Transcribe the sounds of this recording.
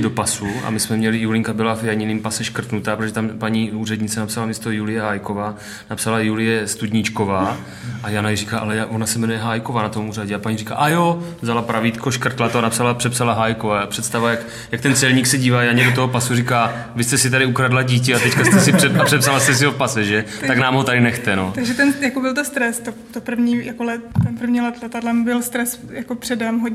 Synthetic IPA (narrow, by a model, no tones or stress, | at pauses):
do̞pasuʔa̰mɪsmɛmɲɛlɪjulɪŋkabɪlavjaɲɪniːmpasɛʃkr̩t̪nut̪aːpɾot̪oʒɛt̪ampaɲiːuːrɛd̪ɲɪt͡sɛnapsalamist̪ojulɪjɛɦajkovaː | napsalajulɪjɛst̪ud̪ɲɪt͡ʃkovaː | ʔajanajɛriːkaːʔa̰lɛjavonasɛmɛnujɛɦaːjko̞vanat̪omuraɟɛapaɲirika̰ːʔajovzalapɾavit̪kʰoʃkr̩t̪lat̪oanapsalapr̥ɛpsalaɦaːjkovaːapr̝̥ɛt̪st̪avajak | jakt̪ɛnt͡sɛlɲiːksɛɟiːvaːjaɲɛdot̪oɦopasuriːkaː | vɪst̪ɛsɪt̪aɾɪukɾadlaɟiːc̬ɪat̪ɛckast̪ɛsɪɛapr̥ɛpsalast̪ɛs̬ɪopasɛʒɛt̪aknaːmɦo̞t̪adɪnɛxt̪ɛno̞t̪aɡʒɛt̪ɛnjakobɪlt̪ost̪ɾɛst̪ot̪opr̩vɲiːjakolɛtt̪ɛnpr̩vɲilɛt̪lɛt̪adlɛmbɪlst̪ɾɛsjakopr̥ɛdɛmɦoɲ